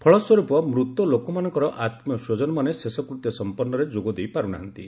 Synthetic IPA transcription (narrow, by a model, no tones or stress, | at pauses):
pʰɔɭɔswɔɾupɔmɾut̪ːɔlokɔmanɔŋkɔɾɔʔat̪mjɔsod͡ʒɔnɔmanesesɔkɾut̪jɔsɔmpɔnːɔɾed͡ʒoɡɔd̪ejpaɾuɽa̰ɦɔnt̪ḭ